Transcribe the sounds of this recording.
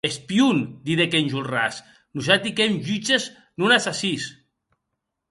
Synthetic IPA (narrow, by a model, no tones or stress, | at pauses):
espiund̪iðekenʲʒulras | nusat̪ikemʒyt͡ʃez | nunasasis